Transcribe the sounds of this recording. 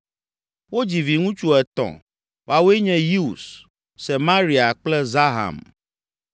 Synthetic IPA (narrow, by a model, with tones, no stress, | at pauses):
wo˦d͡ʑi˨vi˨ŋũ˦t͡ʃu˦ɛ˨t̪ɔ̰̃˨ | wa˨we˦ɲɛ̃˦ji˦u˨s | sɛ˨mã˦ɾi˨a˨k͡plɛ˦za˦ɦa̰˨m